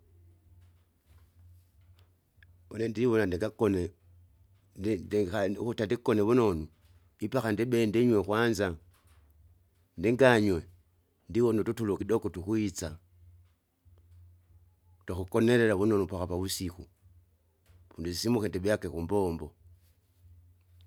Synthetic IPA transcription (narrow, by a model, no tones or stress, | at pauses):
onendiiβonandiɡakon | autandikoneβunonu | ipaxandiɓendiɲwekwanza | ndiŋɡaɲwe | ndiwonututulukidokotukwit͡sa | taxukoneɾeɾaβunonupaxapaβusiku | βunduzisimuxendibjakekumboːmbo